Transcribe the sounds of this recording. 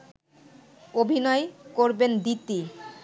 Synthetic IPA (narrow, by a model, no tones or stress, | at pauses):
obʱinɔekoɾbend̪it̪ːi